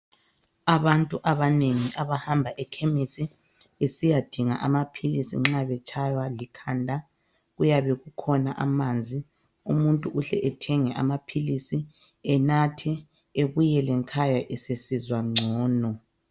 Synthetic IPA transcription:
aβantʼuʔaβaneŋiʔaβahambʱaʔɛkʰemisi | esijad̥ʱiŋa̰ʔamapʰilisḭŋ͡ǁaβɛt͡ʃʰʼajwalikʰaːndʱa | ɣujaβɛɣukʰɔnaʔamaːnd͡zʱi | umuntʼuʔuɬɛ̰ʔɛtʰɛŋɛʔa̰mapʰilisi | ɛnatʰɛ | eβujɛlɛŋkʰajaʔɛsesizwaŋ͡ǀʱɔːnɔ

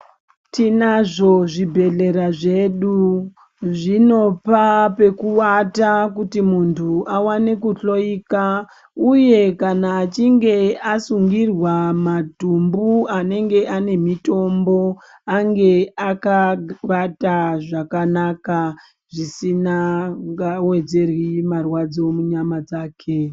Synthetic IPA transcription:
tinaʐo̞ʐibʱe̞ɮe̞ɾaʐe̞ɗu | ʐino̞pape̞kuwatakutimuntʰuawane̞kuɬo̞ika | uje̞kanaːt͡ʃiŋɡe̞asuŋɡirwamatumbuane̞ŋɡe̞ʔane̞mito̞mbo̞ | aŋɡe̞akaʋataʐakanaka | ʐisinaŋɡawe̞d͡ze̞rwimarwad͡zo̞muɲamad͡zaːkʰe

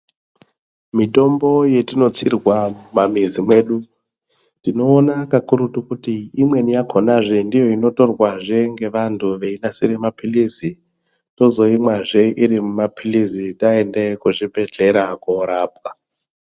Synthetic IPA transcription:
mito̞mbo̞je̞tino̞t͡sirwamamizimwe̞ːɗu | tino̞ːnakakuɾutukutiimwe̞nijakʰonaʐe̞ndijo̞ino̞to̞rwaʐe̞ŋɡe̞ʋantʰuʋe̞inasiɾemapʰilizi | to̞zo̞imwaʐe̞ʔiɾimumapʰilizitaendekuʐibe̞ɬe̞ɾakoɾaːp̚ka

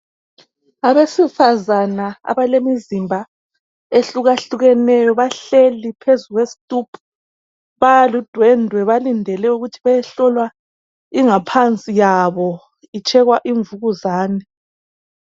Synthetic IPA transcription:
aβesifazanaa̰βalemizimbʱa | eɬuɣaɬuɣɛnɛjɔβaɬelipʰezuɣwesi̥tʼupʰu̥ | βajalud̥ʱwɛndʱwɛβalindʱɛlɛuɣutʰiβajɛɬɔlwa | iŋapʰant͡sʼijaβɔ | it͡ʃʼɛɣwaʔiɱvuɣuzaːnɛ

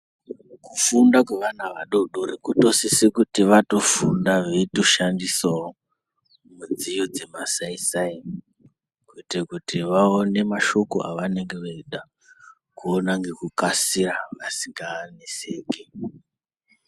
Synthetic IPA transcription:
kufundakweʋanaʋaɗo̞ɗoɾikuto̞sisekutiʋato̞fundaʋeitoʃandisao | mud͡zijod͡ze̞masaisai | kuitekutiʋaone̞maʃo̞ko̰ʔa̰ʋane̞ŋɡe̞ʋeiɗa | kuonaŋɡe̞kukasiraʋasiŋɡaniseːke

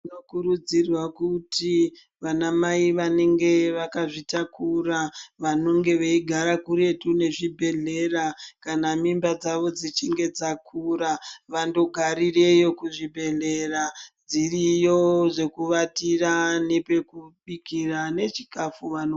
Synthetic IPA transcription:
nokuɾud͡zirwakuti | ʋanamaiʋane̞ŋɡe̞ʋakaʐitakuɾaʋano̞ŋɡe̞ʋeiɡʱaɾakuɾe̞tune̞ʐibʱe̞ɮe̞rakanamimbad͡zaʋo̞d͡zit͡ʃiŋɡe̞d͡zakʰuɾaʋando̞ɡʱaɾire̞jo̞kuʐibʱe̞ɮe̞rad͡zirijo̞ʐe̞kuʋatirane̞pe̞kuɓikirane̞t͡ʃi̥kafuʋano

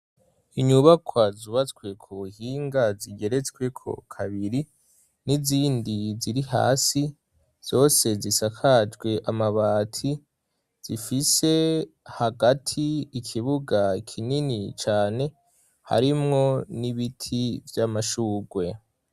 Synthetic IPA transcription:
iɲuβakʰwazuβat͡swe̞kʰuβuhiːŋɡaziɡe̞ɾet͡skwe̞kʰo̰kʰaβiɾi | niziːndiziɾiha̰ːsi | z̥o̞ːse̞zisakʰad͡ʒɡwe̞ʔamaβaːtʰi | z̥ifise̞ | haɡatʰiːkʰiβuɡakʰininit͡ʃaːne̞ | ha̰ɾimŋo̞niβitʰivjamaʃuːɡwe̞

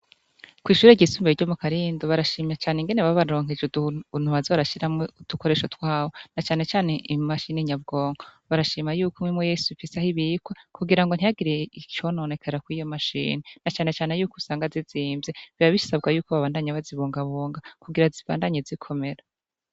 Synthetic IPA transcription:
kwiːʃuːɾeɟisuːmbeɾɟomukaɾiːndoβaɾaʃiːmɲat͡ʃaːneŋɡe̞neβaβaɾɾo̞ːŋɦed͡ʒuduun̥uβaziβaɾaʃiɾamoud̥ukoɾe̞ʃotwaːhonat͡ʃaːne̞t͡ʃaːne̞ʔimaʃiniɲab̚ɡo̞ːŋɡoβaɾaʃiːmajuːkomŋimojesuβifisahiβiːkwakuɡiɾaŋɡon̥ijaɡiɾeit͡ʃo̞nonekʰaɾakwijomaʃḭːnenat͡ʃaːne̞t͡ʃaːne̞juːkosaːŋɡaziziːmvzeβiβaβisabɡajuːkoβaβaːndaɲaβaziβuːŋɡaβoːŋɡakuɡiɾaziβa̰ːndaɲezikʰo̞me̞ɾa

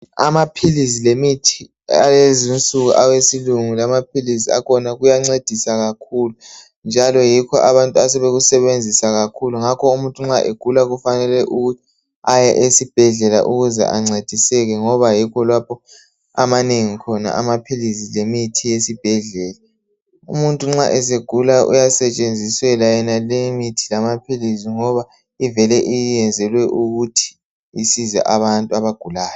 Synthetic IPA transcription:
amapʰilizilemitʰi | a̰lezint͡sʼuɣuʔawesiluŋulamapʰilizia̰kʰɔnaɣujaŋ͡ǀed̥ʱisaɣakʰuːlu | nd͡ʒʱalɔjikʰɔʔaβantʼuasɛβeɣusɛβend͡zʱisaɣakʰuluŋakʰɔumuntʼuŋ͡ǁaʔeɡ̥ʱulaɣufanɛlɛʔuɣutʰi̥ | ajɛʔesib̥ʱɛɮɛla̰ʔuɣuzɛ̰ʔa̰ŋ͡ǀed̥ʱisɛɣɛŋɔβajikʰɔlwapʰɔ | a̰maneŋikʰɔna̰ʔamapʰilizilemitʰijesib̥ʱɛɮɛːla | ṵmuntʼuŋ͡ǁaʔɛseɡ̥ʱulaṵjasɛt͡ʃʼend͡zʱiswɛlajɛnalemitʰilamapʰiliziŋɔβa | ivɛlɛʔijijɛnd͡zʱɛlwɛʔuɣutʰi̥ː | sizɛ̰ʔaβantʼuaβaɡ̥ʱulaːjɔ

